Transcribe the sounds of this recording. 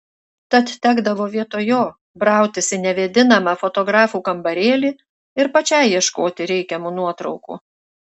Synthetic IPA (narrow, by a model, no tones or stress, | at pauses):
t̪ɐt̪t̪ʲæːɡd̪ɐʋoːʋʲiɛt̪oːjoː | bɾɑˑʊt̪ʲɪsʲɪnʲɛʋʲed̪ʲɪnɐmɑːfɔt̪ɔɡɾɑːfuːkɐmbɐɾʲeːlʲiː | ɪɾpɐt͡ʃʲɛɪiɛʃkoːt̪ʲɪɾʲɛɪkʲɛmuːnuɔt̪ɾɒʊkṵː